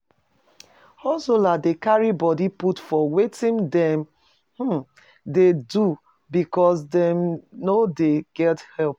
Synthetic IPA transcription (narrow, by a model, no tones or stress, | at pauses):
hɔsoladekaɹibɔdiputfɔwetĩndɛ̃m | h̩ | dedu | bikɔs̬dɛ̃mnodeɡ̥ɛthɛlp̚